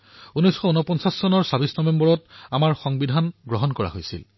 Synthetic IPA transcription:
unɔjsxɔunɔpɔnsasːɔnɔɹsabisnɔbembɔɹɔtamaɹxɔŋbidʱanɡɹɔɦɔnkɔɹa̰ɦo̰jsḭl

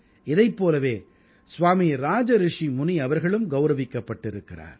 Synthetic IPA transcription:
ɪðɐɪpːoːlɐʋeː | sʋaːmiɾaːd͡ʒɐɾɪʂimʊniɐʋɐɾɣɐɭɯmɡɐʊɾɐʋɪkːɐpːɐʈːɪɾɯkːɪra̰ːɾ

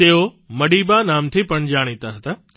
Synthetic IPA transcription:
t̪eːɦo | mɐɗiːbanaːmt̪ʰipɐɳ̃d͡ʑaːɽ̃it̪aɦɐt̪aː

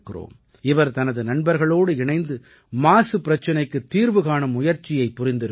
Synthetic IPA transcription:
kːɪro̰ːm | ɪʋɐɾt̪ɐnɐðɯnɐɳbɐɾɣɐɭoːɽɯɪɳɐɪnd̪ɯ | maːsɯpːɪɾɐt͡ʃːɐnɐɪkːɯt̪ːiːɾʋɯɣaːɳɯmʊjɐɾt͡ʃːɪjɐɪpːʊɾɪnd̪ɪɾɯ

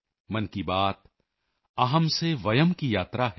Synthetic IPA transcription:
mɐnkibaːt̪ | ɐɦəmseʋɐjəmkijaːt̪ɾaɦ

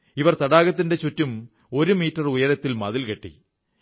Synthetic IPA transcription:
iʋɐrt̪ɐɽaːɣɐt̪̬ːinde̞t͡ɕutːum | o̞ɾumiːtːɐrujɐɾɐt̪ːilmɐðilkeʈːḭ

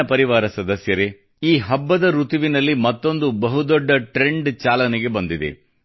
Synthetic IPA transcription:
ɐpɐɾiʋaːɾɐsɐd̪ɐsjɐɾe | iːɦɐbːɐd̪ɐɾut̪uʋinɐlːimɐt̪ːo̞nd̪ubɐɦud̪ɔɖːɐʈɾe̞ɳɖt͡ʃaːlɐnɛɡe̞bɐnd̪id̪ḛ

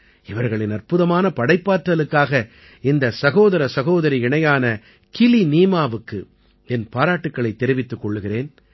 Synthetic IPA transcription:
ɪʋɐɾɣɐɭɪnɐrpɯðɐmaːnɐpɐɽɐɪpːaːɾʈɾɐlɯkːaːɣɐ | ɪnd̪ɐsɐɣoːðɐɾɐsɐɣoːðɐɾiɪɳɐjaːnɐ | kɪliniːmaːʋɯkːɯ | ɛnpaːɾaːʈːɯkːɐɭɐɪt̪ːɛɾɪʋɪt̪ːɯkːɔɭːɯɣɪreːn

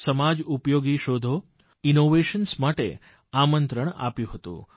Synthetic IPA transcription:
səmad͡ʒupjoɡiʃod̪ʱo | inoʋeʃənsmaʈḛ | amənt̪ɾəɳ̃a̰pjũɦət̪ṵ̃

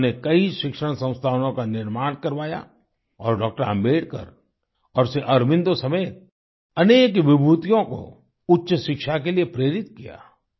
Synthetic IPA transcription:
nekɐiʃɪkʃəɽ̃sɐ̃w̃st̪ʰaːʋnõkanɪɾmaːɽ̃kɐɾʋaːja̰ | ɔːɾɖɔːk̚ʈəɾə̰̃mbeːɽkə̰ɾ | ɔːɾseʔɐɾmɪ̃nd̪osɐmeːt̪̚ | ɐneːkʋɪbʱuːt̪ijõko̰ | ʊtːʃəʃɪkʃakeliepɾeːɾɪt̪kija̰ː

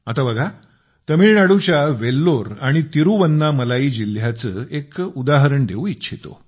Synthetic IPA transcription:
at̪abəɡʱa | t̪əmiɭnaɽut͡ɕjaʋelːoɾaɽ̃it̪iɾuʋənːaməlaiːd͡ʑil̤jat͡səːekud̪aɦəɾəɳd̪ʱeũitːɕʰit̪o̰

